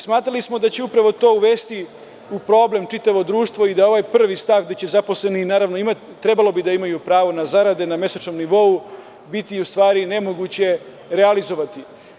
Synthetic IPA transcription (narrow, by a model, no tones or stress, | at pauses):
smaːt̪ɾalismo̞d̪at͡ɕe̞upɾaʋo̞t̪o̞ːuʋe̞ːst̪i | upɾo̞ːble̞mt͡ʂit̪aʋo̞d̪ɾuːʃt̪ʋo̞id̪ao̞ʋaːjpr̩ʋist̪aːʋɡ̚d̪e̞t͡ɕezapo̞sle̞ninaːɾaʋnoimat̪it̪ːɾe̞balo̞bid̪aimajupɾaːʋo̞nazaɾad̪e̞name̞sat͡ʃnomniʋo̞u | bit̪iust̪ʋaːɾine̞mo̞ɡut͡ɕe̞ | ɾealizo̞ʋat̪i